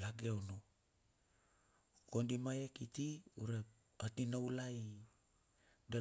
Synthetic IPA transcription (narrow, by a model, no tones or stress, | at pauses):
laɡeono | kondimajekitiuɾe | atinawlaj | da